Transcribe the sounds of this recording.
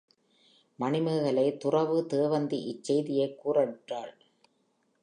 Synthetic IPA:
mɐɳɪmɐɣɐɭɐɪt̪ʊrɐʋɯt̪eːʋɐnd̪iʔɪt͡ʃːɛjðɪjɐɪkːuːrɐʈraːɭ

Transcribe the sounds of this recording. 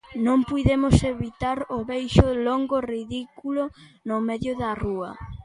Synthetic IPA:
nõŋpujðemʊseβit̪aɾʊβejʃʊloŋɡoriðikulʊnomɛðjʊðɐruɐ̰

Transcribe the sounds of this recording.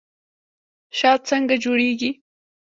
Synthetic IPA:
ʃaːt͡sɑɴɢɑd͡ʒʊɾijkɪ

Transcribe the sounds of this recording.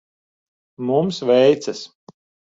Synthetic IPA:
mumsvɛjt̪sɐs

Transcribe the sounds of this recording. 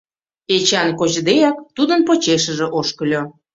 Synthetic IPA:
et͡ɕɑnkot͡ɕd̪ejɑkt̪ud̪ənpot͡ɕeʃə̆ʒĕʔoʃkəlʲo

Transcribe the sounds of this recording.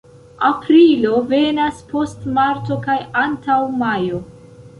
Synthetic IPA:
apɾilo̞ve̞naspʰo̞stmaɾto̞kajantawmajo̞

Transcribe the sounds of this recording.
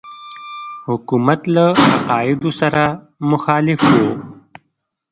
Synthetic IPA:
hʊkumat̪laaqɑːɪd̪osaɾa | mʊxɑːlɪfwo

